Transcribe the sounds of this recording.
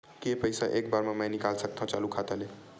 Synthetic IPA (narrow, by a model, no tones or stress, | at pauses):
kepəjsaʔekbaɾmẽmə̃nikalsək̚t̪ʰɔ̃t͡ʃalukʰat̪ale